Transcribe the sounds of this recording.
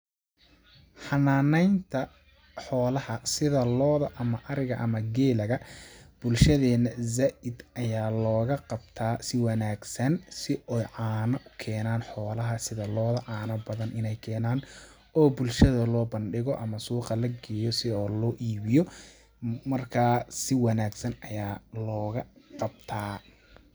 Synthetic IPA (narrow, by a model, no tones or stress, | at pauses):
ħɑnaːnɛjnt̪ʰɐ | ħɔːlɐhɐsɪðɐlɔːðɐʔɐmɐʔɐɾɪɣɐʔɐmɐɡɛːlɐɣɐb̥ʊlʃɐðɛːnɐzaːʔɪd̪ɐjaːlɔːɣɐqɑbt̪ʰaːsɪwɑnaːɡsɐnsɪɛjʕaːnɐʔʊkʰɛːnaːnħɔːlɐɦɐsɪðɐlɔːðɐʕɑːnɐbɐðɐnɪnɛjkʰɛːnaːn | ʔɔːbʊlʃɐðɐlɔːbɐnɖɪɣɔʔɐmɐsuːqɐlɐɡɛːjɔsɪɔːlɔːʔiːβɪjɔ | mɐrkʰaːsɪwɑnaːɡsɐnɐjaːlɔːɣɐqɑb̚t̪ʰaː